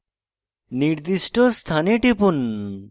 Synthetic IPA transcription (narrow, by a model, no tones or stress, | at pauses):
niɾd̪iʃʈost̪ʰaneʈipun